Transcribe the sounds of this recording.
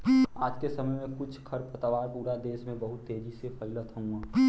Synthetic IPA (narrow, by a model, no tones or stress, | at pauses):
aːd͡ʒkesəməjmẽkʊt͡ʃʰkʰəɾpət̪əʋaːɾpuːɾad̪eːsmẽbəɦʊt̪ːeːd͡ʒisepʰəɪlət̪ʰəɦũaː